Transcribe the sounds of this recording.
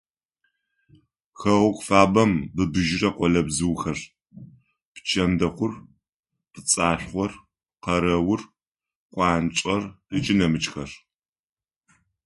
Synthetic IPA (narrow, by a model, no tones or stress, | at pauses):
xɐʁʷʊkʷʼfaːbɐmbɨbɨʒɪrɐqʷɔlɐbzɨwxɐr | pt͡ʃʰɐmdɐχʷʊr | pɨt͡sʼaːɬʷχʷɔr | qɐɾɐwʊr | qʷʼɑːnt͡ʃʷʼɐr | ɨt͡ʃʼɪnɐmɨt͡ʃxɐr